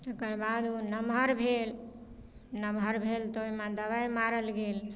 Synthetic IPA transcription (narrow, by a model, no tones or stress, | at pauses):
t̪ekəɾbad̪onəmɦəɾbʱel | nəmɦəɾbʱelt̪oimed̪əβajmaɾəlɡel